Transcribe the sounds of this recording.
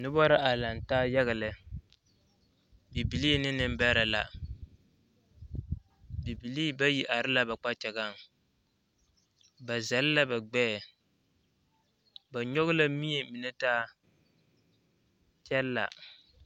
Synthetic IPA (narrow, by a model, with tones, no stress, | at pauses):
nɨ˦bɔ˦ɾa˦ʔa˨la˨ntaː˦jɛ˦ɣa˨lɨ˨ | bi˨bi˨liː˦nɪ˦nɨ˦m˦bɛ˦ɾa˨la̰˨ | bi˨bi˨liː˦ba˦ji˦ʔa˨ɾɨ˦la˨ba˨k͡pa˦t͡ʃɛ˨ɡa˦˨ŋ˨ | ba˨za˨lla˦ba˨ɡ͡bɛː˦˨ | ba˨ɲɔ˦ɣʊ˦la˦mi˦jɛ˨mi˨nɛ˦taː˦ | t͡ʃɛ˦lːa̰˨